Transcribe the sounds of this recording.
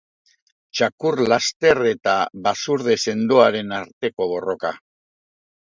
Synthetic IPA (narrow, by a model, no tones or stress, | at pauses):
t͡ʃakurlast̪e̞re̞t̪aβasuɾðe̞se̞nd̪oaɾe̞naɾt̪e̞ko̞β̞o̞ro̞ka